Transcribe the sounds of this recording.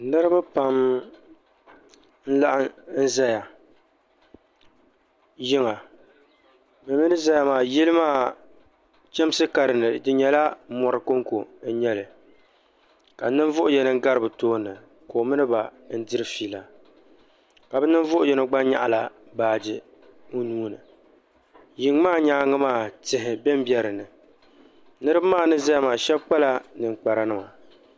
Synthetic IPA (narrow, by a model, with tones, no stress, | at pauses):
nɨ˦ɾɨ˦ba˦pa˦m | n̩˦la˦ʔa˦n̩˦za˦ja˨ | jɪ˦ŋa˨ | mɨ˨˦mɨ˦nɨ˦za˦ja˨maː˨ji˦lɨ˦maː˦˨ | t͡ʃɛ˦m˦sɨ˦ka˨ɾɨ˨nɨ˨dɨ˦ɲɛ˨la˦mɔ˨ɾɨ˨ko˦ŋ˦ko˨n̩˦ɲɛ˦lɨ˨ | ka˨˦nɨ˦ɱ˦vʊ˦ʔʊ˦jɛ˨nɨ˦ŋ˦ɡa˦ɾɨ˦bɨ˨toː˦nɨ˨ | koː˨˦mɨ˦nɨ˦ba˨ | n̩˦dɨ˦ɾɨ˦fiː˦˨la˨ | ka˨bɛ˦nɨ˦nvʊ˦ʔʊ˦jɛ˨nɨ˦ɡ͡ba˦n˦ɲa̰˦ʔa̰˨la˨ | baː˨d͡ʒɪ˦ | ʊ˦nuː˦nɨ˨ | ji˨ŋ˦maː˦˨ɲaː˨˦ŋɨ˦maː˦˨tɪ˨ɦɪ˨bɛ˦m˦bjɛ˦ɾɨ˨nɨ˨ | nɨ˦ɾɨ˦bɨ˦maː˦˨nɨ˦zɛ˦jmaː˨ʃɛ˦bk͡pa˦la˦nɨ˨ŋ͡mk͡pa˨ɾa˨nɨ˦ma˨